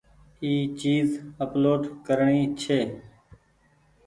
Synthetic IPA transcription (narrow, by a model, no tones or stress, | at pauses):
iːt͡ʃiːzəploːɖkəɾɳiːt͡ʃʰeː